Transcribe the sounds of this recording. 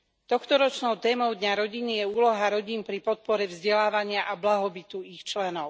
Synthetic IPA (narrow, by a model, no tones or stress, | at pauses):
t̪ɔxt̪ɔɾɔt͡ʃnɔʊt̪ɛːmɔʊd̪ɲaɾɔɟinijɛuːlɔɦaɾɔɟiːnpɾipɔt̪̚pɔɾɛvzɟɛlaːʋaɲɪaʔablaɦɔbit̪uixt͡ʃlɛnɔʊ